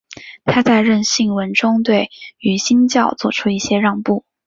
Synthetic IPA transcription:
t̪ʰa˥t͡sa˥˧ɪɻə˥˧nɕi˥˩ŋwə˧˥nʈ͡ʂʊ˥ŋt̪we˥˩ɪy˧˥ɕi˥nt͡ɕjɑ˥˩ʊt͡swɔ˥˩ʈ͡ʂʰu˥i˥˩ɕjɛ˥ɻɑ˥˧ŋpu˥˩

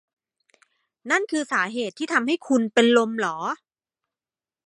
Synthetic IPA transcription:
na˥˩nkʰɯː˧saː˩˦ɦeː˨˩t̪ʰːiː˥˩a˧mha˥˩jkʰu˧npe˧nlo˧mlɔː˩˦

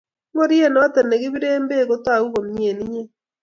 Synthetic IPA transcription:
ŋo˦ɾje˦nɔ˦tɛ˨ne˨ɣi˦βi˦ɾeː˦mbe˦˨ɣo˦ta˦˨u˦ɣo˨mɲe˨ni˦ɲe˦

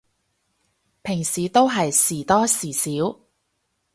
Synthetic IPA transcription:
pʰɪ˨˩ŋsiː˨˩t̪o˥wɦɐ˨jsiː˨˩t̪ɔː˥siː˨˩siː˨˥w

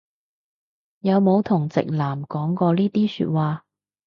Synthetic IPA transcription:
jɐ˨˧wmo˨˧wt̪ʰʊ˨˩ŋt͡sɪ̰˨k̚laː˨˩mkɔː˨˥ŋkɔː˧liː˥t̪iː˥sy̰ː˧t̚waː˨˧

